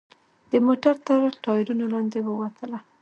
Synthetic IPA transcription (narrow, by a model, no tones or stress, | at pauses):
d̪̥əmoʈaɾt̪əɾʈɑjɪɾunolɑnd̪ewəwat̪ʰəla